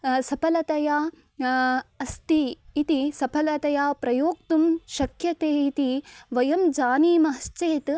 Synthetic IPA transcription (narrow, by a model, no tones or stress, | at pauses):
sɐpʰɐlɐt̪ɐjaː | ɐst̪iːt̪isɐpʰɐlɐt̪ɐjaːpɾɐjoːkt̪umʃɐkʰjɐt̪eːit̪iʋɐjɐmd͡ʒaːniːmɐɦɐst͡ʃeːt̪